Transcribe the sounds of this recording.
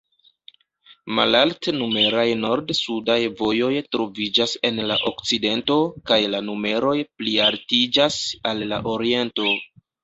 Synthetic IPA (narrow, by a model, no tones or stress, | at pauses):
ma̰laltnume̞ɾajno̞ɾdsudajvo̞jo̞jtɾo̞vid͡ʒase̞nlaʔo̞kt͡side̞nto̞kajlanume̞ɾo̞jplialtid͡ʒasalːa̰ʔo̞ɾie̞nto̞